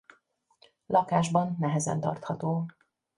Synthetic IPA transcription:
lɒkaːʒbɒnːɛɦɛzɛ̰nt̪ɒ̰rt̪hɒt̪oː

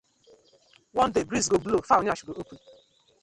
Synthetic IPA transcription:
wɔ̃ndebɾizɡoblofanaʃuɡoʔokun

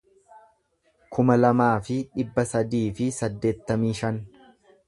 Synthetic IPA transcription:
kʰʊmɐlɐmaːfɪᶑɪbːɐsɐd̪iːfɪsɐd̪ːe̞ːt̪ːɐmiːʃɐn

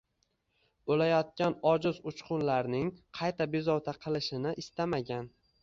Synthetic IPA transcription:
olajɒt̪̚kʲanɒd͡ʒɪzʊt͡ʃqʰʊnlaɾnɪŋqʰɑjt̪ʰabezɒwt̪ʰaqʰɨlˠɪʃɪnɪʔɪst̪amaɡʲan

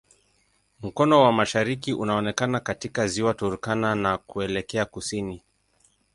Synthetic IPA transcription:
m̩kɔnɔwamaʃaɾikiʔunaɔnɛkanakatikaziwatuɾukananakuɛlɛkɛakusini

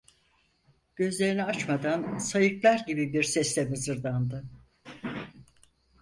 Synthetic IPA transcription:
ɟ̥ø̞zlʲe̞ɾiniat͡ʃmad̪ansajɯklˠaɾɟibibiɾsɛslʲɛmɯzɯɾd̪and̪ɯ

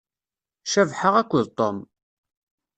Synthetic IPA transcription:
ʃævħəʁækʷːəðt̪ˤom

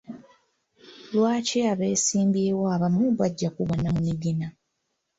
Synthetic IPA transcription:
lwaːciaβeːsiːmbjeːwoaβamuβaɟːakuβonːamumiɡina

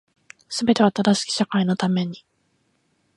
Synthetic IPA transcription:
sɨbe̞t̪e̞βat̪ad̪aɕi̥kʲi̥ɕakaino̞t̪ame̞ɲ̟i

